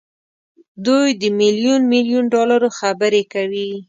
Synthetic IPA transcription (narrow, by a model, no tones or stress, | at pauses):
d̪ujd̪əmilijunmiljunɖɑlaɾoxabəɾekawi